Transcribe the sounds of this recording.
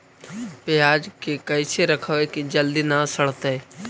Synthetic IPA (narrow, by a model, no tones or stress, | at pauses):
pejaːd͡ʒkekɐiseɾɐkʰəʋekid͡ʒɐld̪inasɐɽ̤t̪e